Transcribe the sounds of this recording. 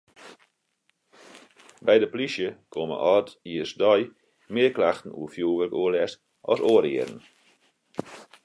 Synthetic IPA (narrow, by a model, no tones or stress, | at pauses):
bɛjdəplisjəkʰomə̰ʔɔtiəsdɔj | mɪərklaxtən̩ṵəfjuːʋərəkuəlɛst | ʔɔ̰soːəɾɪəɾən